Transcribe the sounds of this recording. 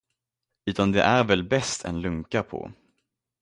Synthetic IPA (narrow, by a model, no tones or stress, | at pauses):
ʉ̟ːt̪and̪ɛʔæɾvɛlbɛst̪ʰɛ̰nlɵŋkapʰɔ̰